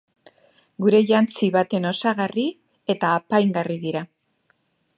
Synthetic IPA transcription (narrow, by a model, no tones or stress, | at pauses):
ɡuɾe̞ʝant͡siβat̪e̞no̞saɣari | e̞t̪aːpajŋɡariðiɾa